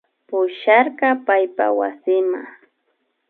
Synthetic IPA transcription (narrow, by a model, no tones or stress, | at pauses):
pʊʃaɾqɑpajpa̰wa̰sɪma̰